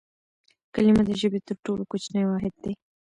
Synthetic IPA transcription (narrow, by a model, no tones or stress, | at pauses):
kalimad̪əʒəbet̪əɾʈolokot͡ʃnajwɑɦɪd̪̚d̪e